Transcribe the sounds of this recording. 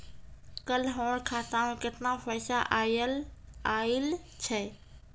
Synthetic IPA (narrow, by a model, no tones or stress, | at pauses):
kəlɦoːɽkʰaːt̪ãmẽkɪt̪nãfəːsaʔalaːɪlt͡ʃʰɛː